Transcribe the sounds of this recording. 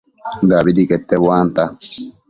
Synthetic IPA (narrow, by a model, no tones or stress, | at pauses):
d̪aːbɪd̪ikʼɛt̪ːɛwaːnt̪a